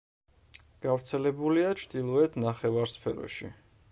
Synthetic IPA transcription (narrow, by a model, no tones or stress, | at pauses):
ɡ̥avɾt̪sʰɛlɛbuliat͡ʃʰd̪ilˠɔɛt̪ʰnaχɛvaɾspʰɛɾɔ̰ʃḭ